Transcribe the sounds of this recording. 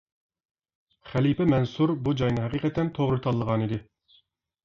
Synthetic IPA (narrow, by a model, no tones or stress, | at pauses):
χælipɛmɛnsuɾbud͡ʒɑjnɨɦæqiːqɛt̪ʰɛnt̪ʰoʁɾɨt̪ʰɑlˠːəʁɑnid̪ɪ